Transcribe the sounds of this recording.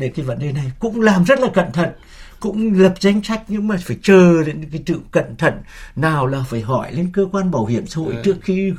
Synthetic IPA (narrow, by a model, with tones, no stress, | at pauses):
ɗe˧˩kaː˨˦jvə̰˧˥˨nɗe˨˩na˨˩jkʊ̰˧˥ŋ͡mlaː˨˩mzə˦˥t̚laː˨˩kə̰˧˨nt̪ʰə̰˧˨n | kʊ̰˧˥ŋ͡mlə˨˩p̚za˨˦jŋ̟sa˦˥jk̟̚ɲɨ̰˧˥ŋmaː˨˩faː˧˩jt͡ɕəː˨˩ɗe˨˦nkaː˨˦jt̪ɨ̰˧˨wkə̰˧˨nt̪ʰə̰˧˨nːaː˨˩wlaː˨˩faː˧˩jɦɔ˧˩jle˧˦nkəː˧kwaː˧nɓaː˨˩whḭ˧˩əmsa̰ː˧˥ho̰˧˨jt͡ɕɨ˦˥ək̚xi˧